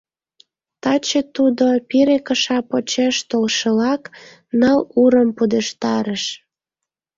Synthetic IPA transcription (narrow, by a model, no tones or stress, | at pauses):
t̪ɑt͡ɕet̪ud̪opiɾekəʃɑpot͡ɕeʃt̪olʃəlɑk | nəluɾəmpud̪eʃt̪ɑɾəʃ